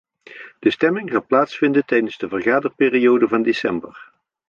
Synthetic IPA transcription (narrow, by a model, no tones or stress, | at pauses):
d̥əstɛmɪŋzaːlˠplaːtsfɪndəntɛjdənzdəvərχaːdərpɪːriowdəvɑndesɛmbər